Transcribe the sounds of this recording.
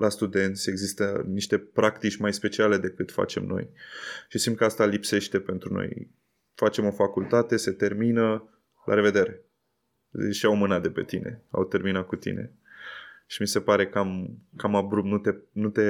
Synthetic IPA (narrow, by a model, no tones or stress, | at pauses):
lʔast̪ud̪e̞nt̪sʲe̞ɡzist̪əniʃt̪e̞pɾakt̪it͡ʃʲmajspe̞t͡ʃiale̞d̪e̞kɨt̪fa̰t͡ʃe̞̰mno̞̰jʃisimt̪kəast̪alipse̞ʃt̪e̞pe̞nt̪ɾuno̞̰j | fat͡ʃe̞mo̞fakult̪at̪e̞se̞t̪e̞rminə | lʔa̰ɾe̞ve̞d̪e̞ɾe̞ | ʃiawmɨnat̪̚d̪e̞pe̞t̪ine̞̰a̰wt̪e̞rminat̪̚kut̪ḭne̞̰ | ʃimise̞paɾe̞kamkamabɾup̪nut̪enut̪e̞